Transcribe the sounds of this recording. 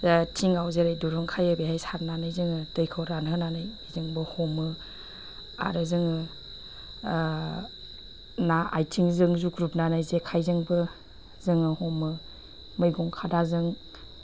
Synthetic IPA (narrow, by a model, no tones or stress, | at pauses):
tʰiŋawzeɾajduɾuŋkʰajɯbehajsaɾnanajzɯŋɯd̥ɯjkʰɯwɾanɦɯnanaj | zɯŋbɯhɔmɯ | a̰ɾɯzɯŋɯ | naajtʰiŋzɯŋzuɡɾup̚nanajzekʰajzɯŋbɯ | zɯŋɯhɔmɯ | mɯjɡɔŋkʰadazɯŋ